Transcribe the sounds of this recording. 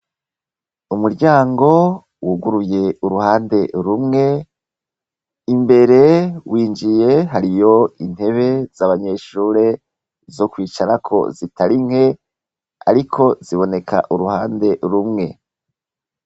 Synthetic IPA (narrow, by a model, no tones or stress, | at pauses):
umuɾɟaːŋɡo̞ | wuɡuɾuje̞uɾuhaːnde̞ɾumŋe̞ | imbe̞ɾe̞wiːnd͡ʒije̞ɦaɾijo̞in̥he̞βe̞z̥aβaɲe̞ʃuːɾe̞ | zo̞kwiːt͡ʃaɾakʰo̞̰zitaɾiŋhe̞ | a̰ɾikʰo̞ziβo̞ne̞kʰa̰ʔuɾuhaːnde̞ɾumŋe̞